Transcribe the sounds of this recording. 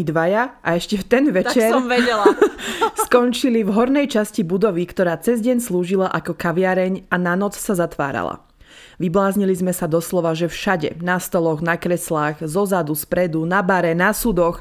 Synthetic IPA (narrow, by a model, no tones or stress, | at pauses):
d̪ʋajaʔaɛʃcɛft̪ɛnʋɛt͡ʃɛɾɛɛl | skɔnt͡ʃilivɦɔɾnɛjt͡ʃascibud̪ɔʋikt̪ɔɾaːt͡sɛzɟɛɲsluːʒilaʔakɔkaʋɪaɾɛɲananɔt͡ssazat̪ʋa̰ːɾa̰la̰ | ʋiblaːzɲilizmɛsad̪ɔslɔʋaʒɛfʃaɟɛ̰nast̪ɔlɔɣnakɾɛslaːɣzɔzad̪uspɾɛd̪unabaɾɛnasud̪ɔx